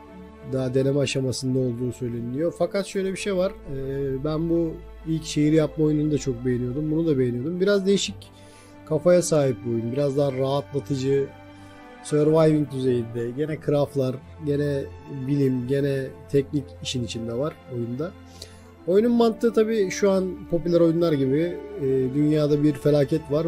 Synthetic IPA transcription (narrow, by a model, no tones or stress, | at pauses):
d̪aɦad̪e̞nemɛaʃamasɯnd̪ao̞lˠd̪uːsø̞jlʲe̞nilʲijo̞fakat̪ʃø̞jlʲɛbiʃejvaɾ̥ɯːbænbu | ilʲcʃe̞jiɾijap̚maojununud̪at͡ʃʰo̞k̚bejenijo̞d̪umbunud̪abe̞jenijo̞d̪umbiɾazd̪e̞jiʃic | kʰafajasaːɦip̚biuojunbiɾazd̪aɦaɾaɦat̪lˠat̪ʰɯd͡ʒɯ | søɾvajvint̪ʰyze̞jind̪ɛɟe̞nɛkʰɯɾaflˠaɾ | ɟe̞nɛbilʲimɟe̞nɛt̪ʰɛcniciʃinit͡ʃʰind̪ɛvaɾ̥o̞jund̪a | o̞jununmant̪ʰːɯt̪ʰabiːʃuanpʰo̞pylʲæɾo̞junlˠaɾɟibɪːd̪ynjaːd̪abiɾfe̞lʲaːcʰɛt̪vaɾ